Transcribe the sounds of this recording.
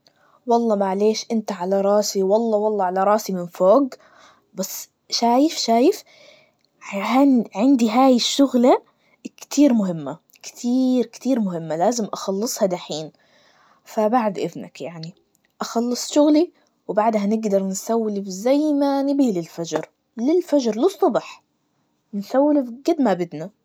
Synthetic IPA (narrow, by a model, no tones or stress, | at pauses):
wɑlˤːɑːmaʕleːʃʔɪnt̪aʕalaɾˤɑːsiwɑlˤːɑːwɑlˤːɑːʕalaɾˤɑːsimɪnfoːɡ | basː | ʃaːjɪfʃaːjɪf | haʕɪnd̪iɦaːjɪʃːʊɣla | kt̪ʰiːɾmʊɦɪmːa | kt̪ʰiːɾkt̪iːɾmʊɦɪmːalaːzɪmʔɑxɑlːɨsˤhɑd̪aħiːn | fabaʕd̪ʔɪðna̰kjaʕni | ʔɑxɑlːɨsˤʃʊɣli | wbaʕd̪hanɪɡd̪ɑɾˤnsawːlɪfzajmanɪbilɪlfad͡ʒɾ | lɪlfad͡ʒɾlɨsˤːɑbɑħ | nsawːlɪfɡɪd̪mabɪd̪na